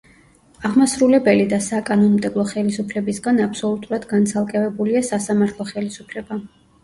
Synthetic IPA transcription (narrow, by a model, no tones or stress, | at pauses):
aʁmasɾulɛbɛlid̪asakʼanɔnmd̪ɛblˠɔχɛlisupʰlɛbisɡanapʰsɔlˠut̪ʼuɾad̪ɡant̪sʰalˠkʼɛvɛbuliasasamaɾt̪ʰlˠɔχɛlisupʰlɛba